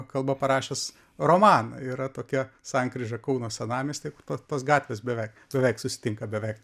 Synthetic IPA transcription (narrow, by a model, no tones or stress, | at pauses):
kɐlˠbɐpɐɾɑːʃʲeːs | roːmɑːnɐ̰iːɾɐt̪oːkʲɛsɐŋkɾʲɪʒʲɐkɐʊnoːsʲɛnɑːmʲesʲt̪ʲekʊrt̪oːt̪oːsɡɑːt̪ʲʋʲes̬bʲɛʋʲɛɪkbʲɛʋʲɛɪksʊsʲɪ̥t̪ʲɪŋkɐbʲɛʋʲɛɪk